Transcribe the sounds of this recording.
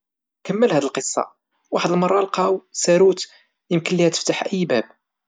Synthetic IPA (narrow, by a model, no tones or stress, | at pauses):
kəmːəlhæd̪əlqəsˤːɑ̰ | waħəd̪əlmɑrˤːɑlqɑwsæɾut̪ | jəmkənːihæt̪ə̥ft̪aħʔəjːbæb